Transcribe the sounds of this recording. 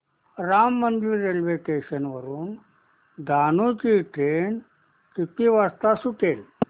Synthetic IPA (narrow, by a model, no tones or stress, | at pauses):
ɾamːənd̪iːɾelʋekeɕənʋəɾuːn | d̪ʱanut͡ɕiʈɾeɳ | kit̪iʋast̪asuʈel